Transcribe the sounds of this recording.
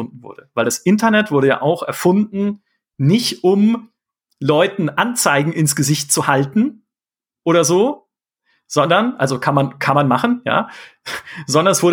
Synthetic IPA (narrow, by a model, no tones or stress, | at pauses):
ʊndn̩vʊ̰ɐdəvaɪldasʔɪntɐnɛtv̥ʊɐɾəja̰ːʔaʊxɛɐfʊndn̩ | nɪçtʔʊm | lɔʏtn̩ʔant͡saɪɡŋ̩ɪnsɡ̥əzɪçtt͡suhaltn̩ | ʔoːɾɐzoː | z̥ɔndɐnʔa̰lzokʰanmankʰanmanmaχn̩ja̰ː | zɔndɐnɛsv̥ʊɐ